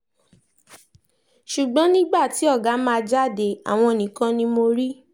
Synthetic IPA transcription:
ʃu˨ɡ͡bɔ̃˦nĩ˦ɡ͡ba˦˨ti˨˦ɔ˦˨ɡa˨˦mãː˦˧d͡ʒa˦˨de˨a̰˨w̃ɔ̃˧e˨nĩ˨kã˧nĩ˧mo˧ɾi˦

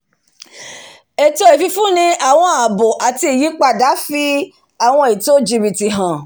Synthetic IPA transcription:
e˨to˧i˨fi˧fũ˦nĩ˧a˨w̃ɔ̃˧a˨bo˨ʔa˨ti˧i˨ji˨˦k͡pa˧da˨˦fi˦ | a˦˨w̃ɔ̃˧i˨to˦d͡ʒi˧bi˨ti˨ɦã˨

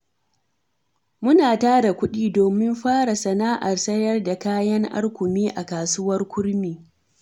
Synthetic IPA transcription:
mʊ˦naː˨taː˦da˨kʷʊ˦ɗiː˦doː˨mɪ˦mɸaː˦ɽa˨sɐ˨naː˦ʔa˨rsɐ˦jɐ˦rda˨kaː˦jɐ˦ŋʔa̰˦rkʷʊ˨miː˦ʔa˨kaː˨sʊ˦wɐ˦rkʷʊ˦ɽmiː˨

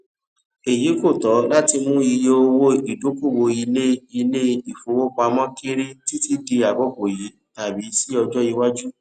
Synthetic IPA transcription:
e˨ji˨˦ko˦˨tɔ˨˦la˦ti˧mũ˦i˧je˧˦o˧wo˦i˨do˨˦ku˦˨wo˧i˧le˦i˧le˦i˨fo˨˧wo˦k͡pa˧mɔ̃˦ke˦ɾi˦ti˦ti˦di˧a˨bɔ˦ɡo˨ji˨˦ta˨bi˨˦si˦ɔ˧d͡ʒɔ˦ji˧wa˦d͡ʒu˦

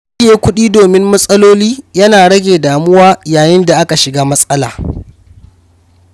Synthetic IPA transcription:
ɪ˨jeː˦kʷʊ˦ɗiː˦doː˨mɪ˦mːɐ˦sʼɐ˦loː˦liː˦jɐ˦naː˨ɽɐ˦ɡʲeː˨daː˨mʊ˦waː˦jaː˨jɪ˦nda˨ʔa˦ka˨ʃɪ˨ɡaː˦mɐ˦sʼɐ˦la̰ː˨

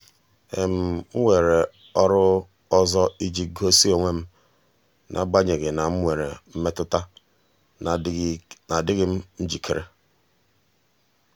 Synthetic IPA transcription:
e˨m̩˨ŋ̩˦ŋʷe˨ɾe˨ | ɔ˦ɾʊ˦ | ɔ˦zɔ˦i˦d͡ʒi˨ɡo˦si˦o˨ŋʷe˦m̩˦ | nʔa̰˨ɡ͡ba˦ɲe˨ɡe˨na˨m̩˦ŋʷe˨ɾḛ˨m̩˦me˦tʊ˦ta˦ | na˨dɪ˦ɣɪ˦m̩˦n̩˦d͡ʒi˨kʰe˨ɾʔḛ˦

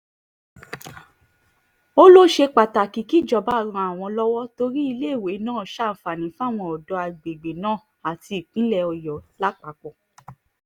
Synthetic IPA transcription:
o˦lo˦ʃe˧k͡pa˨ta˨ki˨ki˦˨d͡ʒɔ˨ba˨˦ɾ̃ã˧a˨w̃ɔ̃˧lɔ˦wɔ˦to˧ɾi˦i˧le˦˨we˨˦nãː˦˨ʃa˦˨m̩˨˦fa˨nĩ˨˦fa˦˨w̃ɔ̃˧ɔ˨dɔ˨˧˦a˧ɡ͡be˨ɡ͡be˨nãː˦˨ | a˨ti˧˨k͡pĩ˨˦lɛ˦˧˨ɔ˧jɔ˨˦la˦k͡pa˨˦kɔ˦˨

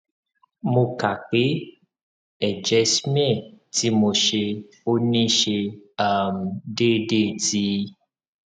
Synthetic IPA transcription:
mo˧ka˨k͡pe˨˦ | ɛ˨d͡ʒɛ˨˧si˦m˦ɛ˦˨ti˨˦mo˧ʃe˧ | o˦nĩ˦ʃe˧a˦˨m̩˨de˦˨de˦˨ti˦

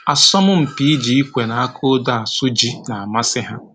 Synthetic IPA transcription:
a˨sɔ˦mʊ˦m̩˨pi˨˦i˦d͡ʒi˨i˦kʷe˨na˨a˦kʰo˦da˦a˨sʊ˦d͡ʒi˦na˨a˨ma˦sɪ˦ɦa˦

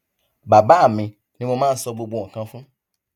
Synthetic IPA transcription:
ba˨ba˨˦a˦˨mĩ˧ | ni˦mo˧mãː˦n̩˦sɔ˧ɡ͡bo˧ɡ͡bo˧ɔ̃˨kã˧fũ˦

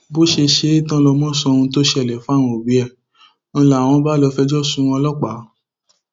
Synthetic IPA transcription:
bo˦ʃe˧ʃe˧˦i˦tã˦lɔ˧mɔ̃˦˨sɔ̃˧ũ˧to˦ʃɛ˨lɛ˨fũ˦a˦˨wɔ̃˧o˨bi˨˦ɛ˦˨ | ñ̩˧la˨w̃ɔ̃˧˦ba˦lɔ˧fɛ˧d͡ʒɔ˦˨sũ˨˦w̃ɔ̃˧lɔ˦k͡pa˨˦

